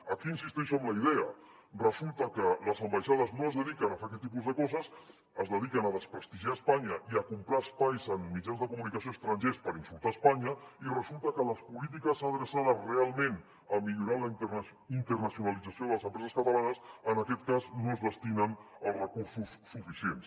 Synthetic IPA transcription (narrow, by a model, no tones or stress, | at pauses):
əkiːnsist̪ɛʃəmləiðeə | rəzulˠt̪əkələzəmbajʃaðəznoəzðəðikənəfeɾak̬ɛt̪ːipuzðəkɔzəs | əzðəðikənəðəspɾəst̪iʒiaəspaɲəʔiəkumpɾaːspajzəmːid͡ʒanzðəkumunikəsioəst̪ɾɐnʲʒespəɾinsulˠt̪aəspaɲəirəzulˠt̪əkələspulit̪ikəsəðɾəsaðəsrealˠmẽn | əmiʎuɾaləint̪ərnəsjunalid͡zasioðələzəmpɾɛzəskət̪alanəsənəkɛt̪kaznoəzðəst̪inənəlˠrəkuɾsusːufisiens